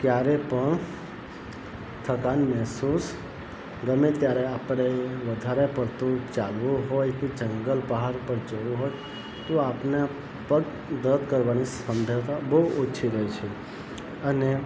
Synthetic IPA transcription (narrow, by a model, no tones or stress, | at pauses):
kjaɾepəɳ | t̪ʰəkanmɛɦsus | ɡəmet̪jaɾeapɾ̃eʋəd̪ʱaɾepəɾt̪ũt͡ʃalʋũɦojked͡ʒəŋɡəlbəɦaɾpəɾd͡ʒəʋũɦoj | t̪oapna | pəɡ | d̪əd̪kəɾʋanisəmd͡ʒʱat̪abəɦuoːt͡ʃʰiɾəɦit͡ʃʰe | əne